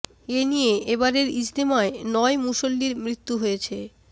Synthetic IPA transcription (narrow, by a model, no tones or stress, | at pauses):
enijeʔebaɾeɾid͡ʑd̪imaenɔemuʃolːiɾmɾit̪ːuɦojet͡ɕʰe